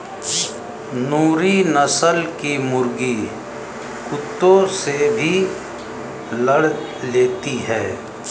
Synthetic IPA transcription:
nuːɾinəsəlkimʊɾɡi | kʊt̪ːõsebʱi | ləɽ | leːt̪iɦɛː

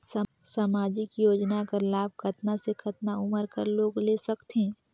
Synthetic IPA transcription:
s | samaːd͡ʒɪkjoːd͡ʒnakɐɾlaːb̚kʰɐt̪nasekʰɐt̪naʊməɾkɐɾloːɡleːsɐkt̪ẽː

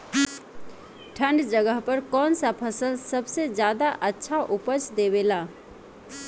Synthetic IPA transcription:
ʈʰə̃ɳɖd͡ʒəɡəɦpəɾkɔːnsapʰəsəlsəbsed͡ʒjaːd̪aʔətːʃʰaʔʊpət͡ʃd̪eːweːlaː

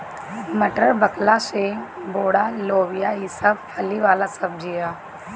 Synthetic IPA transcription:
mɐʈəɾbɐklaseboːɽaloːʋijaɪsab̚pʰɐliʋaːlasɐb̚d͡ʒijaː

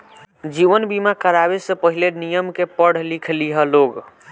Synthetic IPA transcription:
d͡ʒiʋənbimakəɾabesə̃pəɦilenijəmkepəɽ̤likʰliɦəloɡ

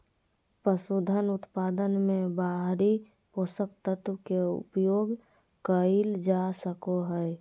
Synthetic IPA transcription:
pəsud̪ʱənʊt̪pad̪ənmẽbaɦɾi | posək̚t̪ət̪wkeṵpjoɡ | kəld͡ʒasəkoɦəɛ

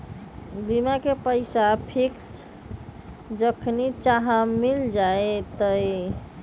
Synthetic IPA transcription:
bimakepəɪsapʰiks | d͡ʒəkʰnit͡ʃaɦamild͡ʒaet̪əj

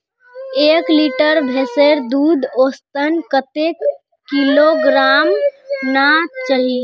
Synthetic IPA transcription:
eːkliʈəɾbʱeseɾd̪uːd̪ʱoːst̪ənkət̪ek | kːiloɡɾaːmnat͡ʃəɦi

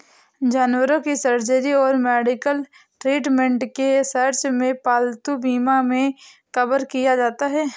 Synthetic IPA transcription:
d͡ʒaːnwəɾõkisəɾd͡ʒəɾiɔːɾmɛːɖɪkəl | ʈɾiːʈmẽɳʈkesəɾt͡ʃmẽpaːlt̪ubiːmamẽ | kɐbəɾkijad͡ʒaːt̪aɦɛː

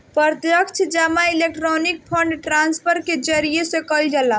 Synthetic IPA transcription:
pɾəɾt̪jəkt͡ʃʰd͡ʒamailek̚ʈɾɔnik̚pʰəɳɖʈɾanspʰəɾked͡ʒəɾijesẽkəld͡ʒala

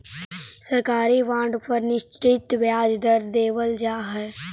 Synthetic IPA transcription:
səɾkaːɾiʋãːɳɖpəɾnɪʃt͡ʃɾɪt̪ʋjaːd͡ʒd̪əɾd̪eːʋəld͡ʒaːɦɛː

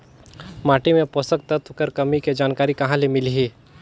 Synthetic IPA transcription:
maːʈimẽpoːsək̚t̪ət̪ʰkəɾkɐmiked͡ʒaːnkaːɾikɐɦãlemɪliɦiː

